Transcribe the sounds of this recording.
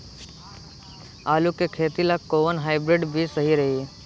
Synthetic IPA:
aːlukekʰeːt̪ilakːoːənɦaːɪbɾɪɖbʱisəɦiɾɐɦi

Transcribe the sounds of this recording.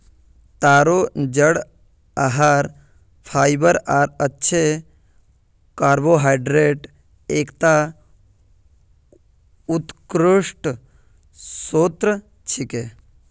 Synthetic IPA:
t̪aːɾoːd͡ʒəɽ | aɦaːɾ | pʰaːjbəɾaːɾɐtːʃʰe | kaːɾboːɦaːjɖɾeːʈ | eːkt̪a | ut̪kɾuʂʈ | soːt̪ɾə | t͡ʃʰike

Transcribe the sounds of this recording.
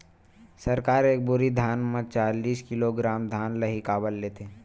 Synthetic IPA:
səɾkaːɾeːk̚bʊɾid̪ʱjaːnmẽt͡ʃaːliːskɪloɡɾaːmd̪ʱjaːnləɦikaːbəlːeːt̪ʰeː

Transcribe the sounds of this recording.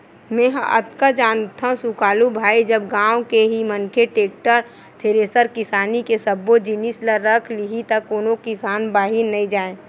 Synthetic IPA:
mɛ̃ːɦə̰t̪kad͡ʒaːnt̪ʰaũsʊkaːlubʱaːid͡ʒəb̚ɡãːwõkeɦimənkʰeʈeːk̚ʈəɾ | t̪ʰeɾeːsəɾkɪsaːnikesəbːod͡ʒinisləːəkʰliɦit̪ɐkoːnokɪsaːnbaːɦinɐĩd͡ʒaːẽː

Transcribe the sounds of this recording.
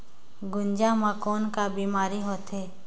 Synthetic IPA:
ɡʊnd͡ʒamãkoːnkabiːmaːɾiɦoːt̪ɦeː

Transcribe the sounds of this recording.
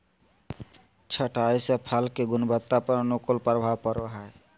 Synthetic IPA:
t͡ʃʰəʈajsepʰalkeɡʊnbət̪ːapəɾnukolpəɾbʱaːwpəɾaɦae

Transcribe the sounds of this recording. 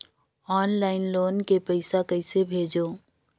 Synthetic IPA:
ɔːnlaːɪnloːnkepəɪsakɐɪsebʱeːd͡ʒoː

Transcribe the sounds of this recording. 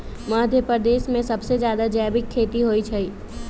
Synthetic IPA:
maːd̪ʱjəpɾəd̪eːʃmẽsɐbsed͡ʒjaːd̪ad͡ʒɛːbɪkʰːeːt̪iɦoːit͡ʃʰɐiː

